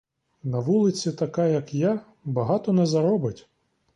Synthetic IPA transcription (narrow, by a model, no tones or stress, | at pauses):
nɐʋulˠɪt͡sʲit̪ɐkɑjɐkja | bɐɦɑt̪ɔnɛzɐɾɔbɪtʲ